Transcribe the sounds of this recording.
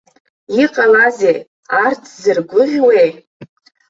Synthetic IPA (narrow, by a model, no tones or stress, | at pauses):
iqʼalazej | artʰzɨrɡʷʊʁʲwej